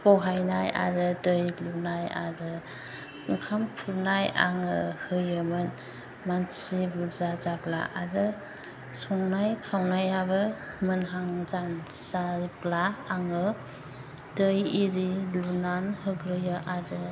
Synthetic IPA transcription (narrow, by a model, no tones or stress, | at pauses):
pɔɦajnajʔa̰ɾɯdɯjlunaja̰ɾɯ | ɯŋkʰamkʰuɾnaja̰ŋɯhɯjɯmɯn | mansibuɾzazapla̰ʔaɾɯ | sɔŋnajkʰawnajabɯ | mɯnɦaŋzanzaplaːŋɯ | dɯjiɾilunanhɯɡɾɯjɯʔaɾɯ